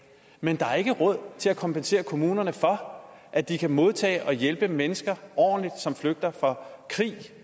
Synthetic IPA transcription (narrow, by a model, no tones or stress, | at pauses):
mend̥ɑ̈æɐe̝ɡ̥əʁɔ̽ð̞̰ˠt͡sʰe̝lækʰɒ̽mpense̝̰ːɐkʰo̝muːnɐnəfɒ̽ | ʔæd̥ikʰæmo̝ð̞ˠt͡sʰɛ̰ːɪʔɒ̽jelb̥əmenəsɡ̥ɐʔɒ̰ːnlid̥sɒ̽mfløɡ̥̚d̥ɐfɒ̽kʰʁḭː